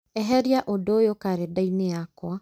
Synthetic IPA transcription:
ɛɦɛɾiaʔodojokaɾedaineakwa

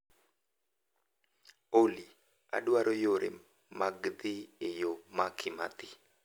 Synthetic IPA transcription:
oli | a̰dwaɾojoɾḛ | maɡd̪ɪejomakʰɪmat̪ɪ

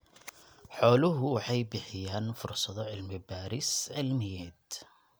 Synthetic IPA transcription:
ħoːlʊɦʊħajbɪħɪjaːnfʊɾsˤɑt̪ˤɑʕɪlmibaːɾɪsʕɪlmɪjːat̪

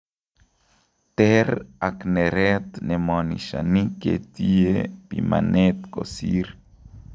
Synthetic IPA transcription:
t̪eɾakneɾet̪nemoniʃa̰nikḛt̪iepimanʔet̪kosiɾ

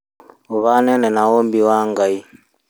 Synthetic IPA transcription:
uβanɛnɛnawombiwaŋɡai

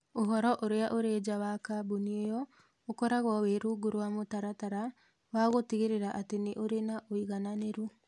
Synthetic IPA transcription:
oɦɔɾɔʔoɾeaʔoɾed͡ʒawakabuniejɔ | okɔɾaɣɔweɾuɡuɾwamotaɾataɾa | waɣotiɣeɾeɾaʔateneʔoɾenaʔoiɣananeɾu

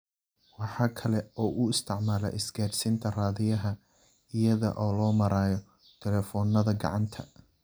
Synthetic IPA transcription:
wɑħɑːkʰɐlɛɔːʔʊɪst̪ʰɪʕmaːlɐ̰ʔɪsɡaːrsint̪ʰɐraːðɪjɐɦɐ | ɪjɐðɐ̰ʔɔːlɔːmɐɾaːjɔ | t̪ʰɛlɛːfɔːnːɐðɐɡɑ̰ʕɑnt̪ʰɐ̰

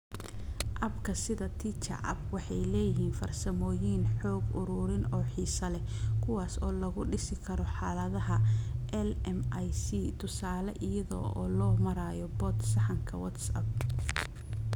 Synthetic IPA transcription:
ʔɐbkʰɐsɪðɐt̪ʰit͡ʃɐ̰ʕɐ̰bwɑħɑjlɛːjɪɦiːnfɐrsɐmɔːjiːnħɔːɡʊɾʊɾɪnɔːħiːsɐlɛkʰʊwaːsɔːlɐɣʊɖɪsɪkʰɐɾɔħɑːlɐðɐɦɐʔɛlɛmjsit̪ʰʊsaːlɐʔɪjɐðɔ̰ʔɔːlɔːmɐɾaːjɔbɔt̪sɐħɑŋkʰɐwɐt̪sɐ̰b̚

